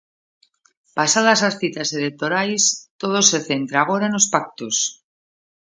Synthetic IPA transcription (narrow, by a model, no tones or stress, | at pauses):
pasaðasasθit̪aselek̚t̪oɾajst̪oðo̞se̞θe̞nt̪ɾaɣ̞o̞ɾaeno̞spak̚t̪us